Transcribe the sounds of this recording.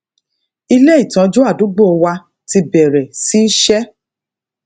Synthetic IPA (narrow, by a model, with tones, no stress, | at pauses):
i˧le˦i˦˨tã˨˦d͡ʒo˦a˦˨du˨˦ɡ͡bo˦ɔ˧wa˧ | ti˧bɛ˨ɾɛ˨si˦ʃɛ˦